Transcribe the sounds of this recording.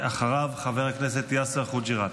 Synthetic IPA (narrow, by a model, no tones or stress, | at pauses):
aχaʁavχaveʁaknes̬et̪jaseʁχud͡ʒiʁa